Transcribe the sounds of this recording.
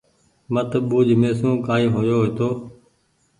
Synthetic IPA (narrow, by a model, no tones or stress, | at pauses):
mət̪ɓuːd͡ʒmeːsũːkaːiːɦoːjoːɦeːt̪oː